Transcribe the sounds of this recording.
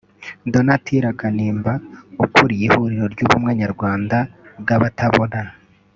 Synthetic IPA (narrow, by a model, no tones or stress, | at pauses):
do̞natʰiɾakaniːmbaukuɾijihuɾiɾo̞ɾɟuβumŋaːɲaɾɡwaːndabɡaβataβo̞na